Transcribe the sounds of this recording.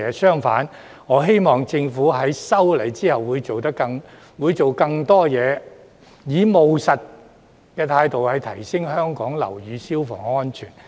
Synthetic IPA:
ɛ˨˧sœː˥ŋfa̰ː˨˥n | ŋɔː˨˧ɦe˥jmɔː˨ŋt͡sɪ˧ŋfuː˨˥ɦɐ˨˥jsɐ˥wlɐ˨˩jt͡siː˥hɐ˨wːuː˨˧jt͡so˨wt̪ɐ˥kːɐ˧ŋ | wuː˨˧jt͡so˨wkɐ˧ŋt̪ɔː˥jɛː˨˧ | jiː˨˧mo˨wsɐ˨t̚ | kɛː˧t̪ʰaː˧jt̪o˨whɐ˨˧jt̪ʰɐ˨˩jsɪ˥ŋhœː˥ŋkɔː˨˥ŋlɐ̰˨˩wjyː˨˧si˥wfɔ̰ː˨˩ŋɔː˥nt͡ʃʰy̰ː˨˩n

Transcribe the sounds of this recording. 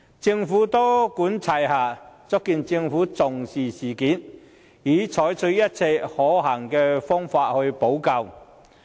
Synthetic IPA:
t͡sɪ˧ŋfuː˨˥t̪oː˥kuː˨˥nt͡sʰa˨˩jhaː˨˩t͡sʊ˥kːiː˨˧nt͡sɪ˧ŋfuː˨˥t͡sʊ˨˩ŋsiː˨˩siː˨˩kiː˨˥n | jiː˨˥t͡sʰɔː˨˥jt͡sʰɵ˨˥jɐ˥t̚t͡sʰɛ˧jhɔː˨˥ɦaː˨˩ŋkɛː˧fɔː˥ŋfaː˧t̚hɵ˧ɥpo˨˥wkɐ˧w

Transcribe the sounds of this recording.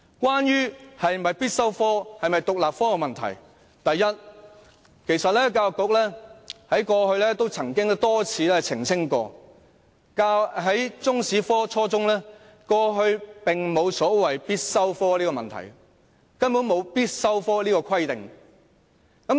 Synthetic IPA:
kʷaː˥njyː˥hɐ˨jmɐ˨jpiː˥t̚sɐ˥wfɔː˥hɐ˨jmɐ˨jt̪ʊ˨k̚laː˨p̚fɔː˥kɛ˧mɐ˨nt̪ʰɐ̰˨˩j | t̪ɐ˨jːɐ˥t̚ | kʰe˨˩jsɐ˨t̚lɛː˥kaː˧wkʊ˨˥k̚lɛː˥hɐ˨˥jkɔː˧hɵ˧ɥlɛː˥t̪o˥wt͡sʰɐ˨˩ŋkɪ˥ŋ˥t̪ɔː˥t͡sʰiː˨˧lɛː˥t͡sʰɪ˨˩ŋsɪ˥ŋkɔ̰ː˧ | ka˧ɦɐ˨˥jt͡sʊ˥ŋsiː˨˥fɔː˥t͡sʰɔː˥t͡sʊ˥ŋlɛː˥ | kɔː˧ɦɵ˧ɥpɪ˨ŋmo˨˧wsɔː˨˥wɐ˨jpiː˥t̚sɐ˥wfɔː˥liː˥kɔ˧mɐ̰˨nt̪ʰɐ̰˨˩j | kɐ˥npu˨˥nmo˨˧wpiː˥t̚sɐ˥wfɔː˥liː˥kɔː˧kʰɐ˥jt̪ɪ˨ŋ | kɐ˨˥m

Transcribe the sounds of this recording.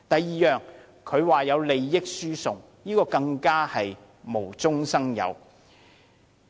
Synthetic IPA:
t̪ɐ˨jiː˨jœː˨ŋ | kʰɵ˨˧ɥwaː˨jɐ˨˧wle˨jːɪ˥k̚syː˥sʊ˨˩ŋ | jiː˥kɔː˧kɐ˧ŋkaː˥hɐ˨j | mo˨˩wt͡sʊ˥ŋsɐ˥ŋjɐ̰˨˧w

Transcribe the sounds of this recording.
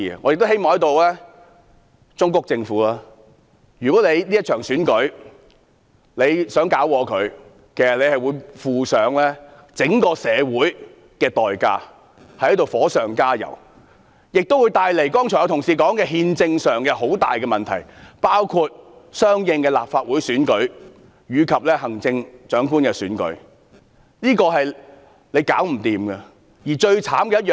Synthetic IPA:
ŋɔː˨˧jkt̪o˥whe˥jmɔː˨ŋjɐ˥t̪o˨wlɛː˥ | t͡sʊ˥ŋkʊ˥k̚t͡sɪ˧ŋfuː˨˥laː˥ | jyː˨˩kɔː˨˥le˨˧jliː˥ɐ˥t̚t͡ʃʰœː˨˩ŋsyː˨˥nkɵ˨˥ɥ | le˨˧jsœː˨˥ŋkaː˨˥wkɔː˨˧kʰɵ˨˧ɥ | kʰe˨˩sɐ˨˩le˨˧jhɐ˨jwuː˨˧jfuː˨˩sœː˨˥ŋlɛ˥ | t͡sɪ˨˥ŋkɔː˧sɛː˨˧wuː˨˥j | kɛː˧t̪ɔː˨jka̰ː˧ | hɐ˨jht̪o˨wfɔː˨˥sœː˨˩ŋkaː˥jɐ̰˨˩w | jɪ˨k̚t̪o˥wu˨˧jt̪aː˨jle˨˩jkɔː˥ŋt͡ʃʰɔ˨˩jt̪ʰʊ˨˩ŋsiː˨kɔː˨˥ŋkɛː˧ɦiː˧nt͡sɪ˧ŋsœː˨ŋkɛː˧ɦo˨˥wt̪a̰ː˨jkɛː˧mɐ˨nt̪ʰɐ˨˩jpaː˥wkʰu˧t̚sœː˥ŋjɪ˧ŋkɛː˧la̰ː˨p̚faː˧t̚wuː˨˥jsyː˨˥nkɵ˨˥ɥ | jyː˨˧kʰɐ˨p̚lɛː˥ɦɐ˨˩ŋt͡sɪ˧ŋt͡ʃœː˨˥ŋkuː˥nkɛː˧syː˨˥nkɵ̰˨˥ɥ | niː˥kɔː˧ɦɐ˨j | le˨˧jkaː˨˥wm̩˨˩t̪iː˨mɡɐ˧ | jiː˨˩t͡ʃɵ˧ɥt͡sʰaː˨˥mkɛː˧jɐ˥t̚jœː˨

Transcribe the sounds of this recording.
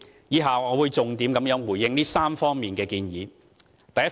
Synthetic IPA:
jiː˨˥ɦaː˨ɔː˨˧wuː˨˧jt͡sʊ˨ŋt̪iː˨˥mkɐ˨˥mjœː˨˥nwuː˨˩jːɪ˧ŋniː˥saː˥mfɔː˥ŋmiː˨˩nkɛː˧kiː˧njiː˨˧ | t̪ɐ˨jɐ˥

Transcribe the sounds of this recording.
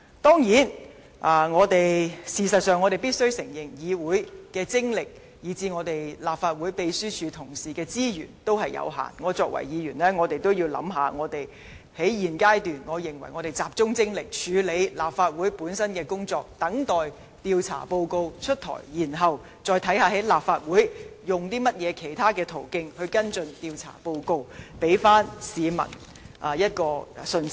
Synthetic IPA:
t̪ɔː˥ŋjiː˨˥n | ʔaː˨ŋɔː˨˧t̪e˨jsiː˨˩sɐ˨t̚sœː˨ŋɔ˨˧te˨jpiː˥t̚sɵ˥wsɪ˨˩ŋjɪ˨˩ŋjiː˨˧wuː˨˥jkɛː˧t͡sɪ˥ŋlɪ˨k̚ | jiː˨˧t͡siː˧ŋɔː˨˧t̪e˨jlaː˨˩p̚faː˧t̚wuː˨˥jpe˧jsyː˥t͡ʃʰyː˨˧t̪ʰʊ˨˩ŋsiː˨˩kɛː˧t͡siː˥jyː˨˩nt̪o˥whɐ˨jjɐ̰˨˧wɦa̰ː˨˩nŋɔː˨˧t͡sɔː˧k̚wɐ̰˨˩jjiː˨˧jyː˨˩nlɛː˥ŋɔː˨˧t̪e˨jt̪o˥wjiː˧wlɐ̰˨˥mɦaː˨˧ŋɔː˨˧t̪e˨j | he˨˥jjiː˨nkaː˥jt̪yː˨˩nŋɔː˨˧jɪ˨˩ŋwɐ˨˩jŋɔː˨˧t̪e˨jt͡saː˨p̚t͡sʊ˥ŋt͡sɪ˥ŋlɪ˨k̚t͡ʃʰyː˨˧le˨˧˥jlaː˨˩pfaː˧t̚wuː˨˥jpuː˨˥nsɐ˥nkɛː˧kʊ˥ŋt͡sɔː˧k̚t̪ɐ˨˥ŋt̪ɔː˨j | t̪iː˧wt͡sʰa̰ː˨˩po˧wko˧wt͡ʃʰɵ˥t̚t̪ʰɔ̰ː˨˩jjiː˨˩nɦɐ˨w | t͡sɔː˧jt̪ʰɐ˨˥jhaː˨˧ɦe˨˥jlaː˨p̚faː˧t̚wuː˨˥jjʊ˨˩ŋt̪iː˥mɐ˥t̚jɛː˨˧kʰe˨˩jt̪ʰaː˥kɛː˧t̪ʰo˨˩wkɪ˧ŋhɵ˧ɥkɐ˥nt͡sɵ˧nt̪iː˧wt͡sʰa̰ː˨˩po˧wko˧wpe˨˥jfaː˥nsiː˨˧mɐ̰˨˩n | ʔa˧jɐ˥t̚kɔː˧sɵ˧n˥

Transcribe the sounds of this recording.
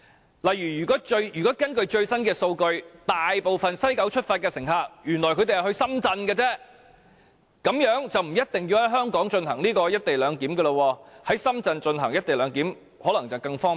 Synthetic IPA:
lɐ˨jɥyː˨˩jyː˨˩kɔː˨˥t͡ʃɵ˧ɥjyː˨˩kɔː˨˦˥kɐ˥nkɵ˧ɥt͡ʃɵ˧ɥsɐ˥nkɛː˧so˧wkɵ˧ɥt̪aː˨jpo˨wfɐ˨nsɐ˥jkɐ˨˥wt͡ʃʰɵ˥t̚faː˧t̚kɛː˧sɪ˨˩ŋɦaː˧k̚jyː˨˩nlɔː˨˩jkʰɵ˧t̪e˨jhhɵ˧sɐ˥mt͡sɐ˧nkɛ˧t͡sɛː˥ | kɐ˨˥mjœː˨˥ŋt͡sɐ˨wm̩˨˩jɐ˥t̚t̪ɪ˨ŋjiː˧whɐ˨˥jɦœː˥ŋkɔː˨˥ŋt͡ʃɵ˧nhɐ˨˩ŋniː˥kɔː˧jɐ˥t̚t̪e˨jlœː˨˧ŋkiː˨˥mɡɛ˧lə˧wɔː˧hɐ˨˥jsɐ˥mt͡sɐ˧nt͡ʃɵ˧nhɐ̰˨˩ŋjɐ˥t̚t̪e˨jlœː˨˧ŋkiː˨˥m | hɔː˨˥lɐ˨˩ŋt͡sɐ˨wkɐ˧ŋfɔː˥

